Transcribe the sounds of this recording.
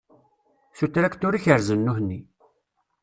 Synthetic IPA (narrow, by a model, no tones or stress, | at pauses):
sut̪ːɾækt̪ʊɾiçəɾzənːuhnːi